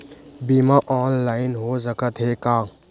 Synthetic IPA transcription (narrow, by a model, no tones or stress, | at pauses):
bimaʔɔːnlaːjnɦosəkət̪ʰɦekaː